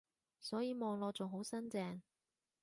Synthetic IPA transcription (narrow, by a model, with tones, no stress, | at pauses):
sɔː˨˥jiː˨˧mɔː˨˧ŋlɔː˧t͡sʊ˨ŋɦo˨˥wsɐ˥nt͡sɛː˧ŋ